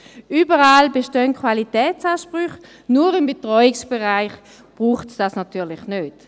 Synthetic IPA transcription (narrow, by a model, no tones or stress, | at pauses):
yːbəʁaːlbeʃtœnkʰwalitɛːt͡saːʃpʁʏχ | nuːɐʁɪmbetʁɔjɪksb̥eʁaɪχ | b̥ʁuːχtsd̥asnatyːɐlɪχnøːt